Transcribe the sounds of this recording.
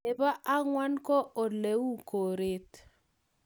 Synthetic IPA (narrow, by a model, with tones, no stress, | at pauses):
e˨ba˦ʔa˦ŋwa˦nkɔ˦ʔo˨le˨wu˦ko˨ɾe˦t